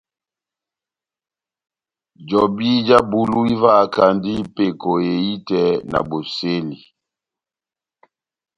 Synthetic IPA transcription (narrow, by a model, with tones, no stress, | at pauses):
d͡ʒɔ˨bi˦d͡ʒa˦bu˦lu˦i˦va˦˨ka˨ndi˦pe˨ko˨e˨i˦tɛ˦˨na̰˨bo˨se˦li˨